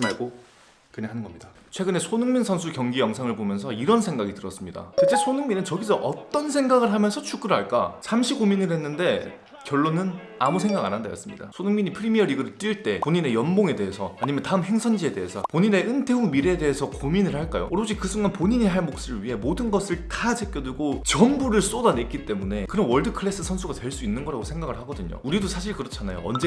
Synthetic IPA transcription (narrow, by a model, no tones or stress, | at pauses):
maɭɡo | kɯneɦanɯnɡʌmɲida | t͡ɕʰwe̞ɡɯne̞sʰonɯŋminsʰʌnsʰukjʌŋɡijʌŋsʰaŋɯɭbomjʌns̬ʰʌiɾʌnsʰe̞ŋɡaɡitɯɾʌs͈ɯmɲida̰t͡ɕʰet͡ɕ͈e̞sʰonɯŋminɯnt͡ɕʌɡisʰʌʔʌt͈ʌnsʰe̞ŋɡaɡɯɭɦamjʌnsʰʌt͡ɕʰuɡ͈ɯɾɦaɭk͈a̰sʰamɕʰiɡominɯɭɦe̞nːɯnde̞ | kjʌɭːonɯn | amusʰeŋɡaɡa̰nɦanda̰jʌ̰s͈ɯmɲḭda̰sʰonɯŋmiɲipʰɯɾimiʌɾiɡɯɾɯɭt͈iɭt͈e̞poɲine̞jʌnboŋe̞de̞ɦesʰʌaɲimjʌntaɯmɦe̞ŋsʰʌnd͡ʑie̞de̞ɦesʰʌpoɲine̞ʔɯntʰe̞umiɾe̞de̞ɦesʰʌkominɯɭhaɭk͈a̰jo̰ɾd͡ʑikɯsʰuŋanpoɲiɲiɦaɭmok̚s͈ɯɾɯɭɥiɦe̞modɯnɡʌsʰɯɭtad͡ʑek͈jʌduɡot͡ɕʌmbuɾɯɭs͈odane̞k͈it͈e̞mune̞kɯɾʌnwʌɭdɯkʰɯɭe̞s͈ɯsʰʌnsʰuɡatwe̞ɭs͈uinːɯnɡʌɾaɡosʰe̞ŋɡaɡɯɭhaɡʌdɯɲo̰uɾidosʰaɕʰiɭkɯɾʌt͡ɕʰanajo̰ʌ̰nd͡ʑe